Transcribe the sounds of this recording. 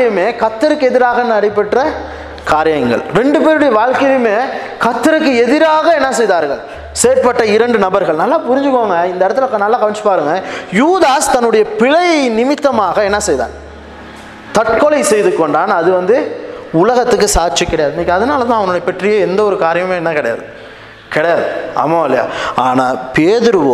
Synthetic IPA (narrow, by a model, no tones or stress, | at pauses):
ɐjɯmeːkɐt̪ːɐɾɯkːɯɛðɪɾaːɣɐnːɯɐɽɪpːɐʈːɾɐ | kaːɾɪjɐŋɡɐ̰ɭɾɛɳɖɯpeːɾɯɽɐjɐʋaːɻkɐjɯmeː | kɐt̪ːɪɾɯkːɯɛðɪɾaːɣɐɛnːɐsɛjðaːɾɣɐ̰ɭ | seːɾpɐʈːɐɪɾɐɳɖɯnɐbɐɾɣɐɭnɐlːaːpʊɾɪɲd͡ʒɯkːoːŋɡɐɪnd̪ɐɪɽɐt̪ːɯlɐknɐlːaːkɐʋɐɲt͡ʃːɯ̥paːɾɯŋɡɐjuːðaːst̪ɐnːɯɽɐjɐpɪɭɐɪnɪmɪt̪ːɐmaːɣɐɛnːɐsɛjða̰ːn | t̪ɐʈ̚kɔɭɐɪsɛjðɯkːɔɳɖaːnɐðɯʋɐnd̪ɯʊlɐɣɐt̪ːɯk̬ːɯsaːɾt͡ʃikːɪɽɐjaːðɯɪnːɐkːɐðɐnaːlɐt̪ãːɐʋɐnɯɽɐjɐpɛʈrɪjeːɛnd̪ɐɔɾɯkaːɾɐjɐmeːɛnːɐkɪɽɐja̰ːðɯ | kɪɽɐjaːðɯɐ̰mːaɐlːɐja̰ːaːnaːpeːðɯɾɯʋoː